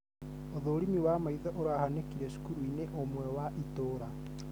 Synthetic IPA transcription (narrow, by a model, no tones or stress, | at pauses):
oðoːɾimiwamaiðaʔoɾahanekiɾɛʃu̥kuɾuineʔomwɛwaʔitoɾa